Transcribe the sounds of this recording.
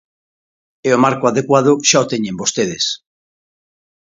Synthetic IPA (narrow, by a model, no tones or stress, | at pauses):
eomaɾkoaðekwað̞oʃaot̪eɲembost̪eð̞es